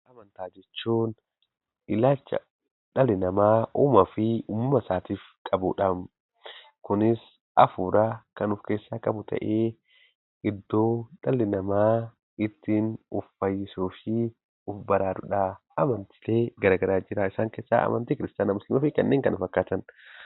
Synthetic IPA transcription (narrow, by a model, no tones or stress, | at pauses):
ʔɐmɐnt̪aːd͡ʒɛt͡ʃːuːn | ʔɪlaːlt͡ʃːɐ̰ | ᶑɐlɪnɐmaːʔʊːmɐfɪʊːmʊmɐsaːt̪iːf | kʼɐbʊᶑɐm | kʊnɪs | ʔɐ̰fuːɾakɐnʊfke̞ːsːaːkʼɐbʊt̪ʰɐ̰ʔeː | ɪd̪ːo̞ːᶑɐlɪnɐmaː | ɪt̪ːiːnʊfːɐjːɪsuːfɪ | ʊfbɐɾaːdʊᶑaʔɐmɐnt̪ɪ̥leːɡɐɾaːɡɐɾaːd͡ʒɪɾaːɪsaːŋkeːsːa̰ːɐ̰mʔɐ̰nt̪iːkɪɾɪst̪jaːnɐmʊslɪmɐfɪkɐ̰nːeːŋkɐnʊfɐkːaːt̪ɐn